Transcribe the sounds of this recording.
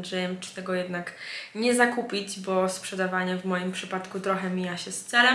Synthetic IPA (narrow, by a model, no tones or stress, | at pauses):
d̪ʐɛjɛmt͡ʂɨ̥t̪ɛɡɔjɛd̪nakɲɛzakupʲid͡ʑbɔspʂɛd̪avaɲɛvmɔjimpʂɘpat̪kut̪ɾɔxɛmʲijaɕɛst̪sɛlɛm